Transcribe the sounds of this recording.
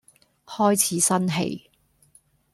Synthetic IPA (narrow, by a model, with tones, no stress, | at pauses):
hɔː˥jt͡sʰiː˨˥sɐ˥nɦḛ˨j